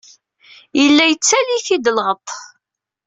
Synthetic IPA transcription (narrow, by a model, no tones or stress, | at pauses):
jəlːæjət͡sːæliθid̪əlʁət̪ˤ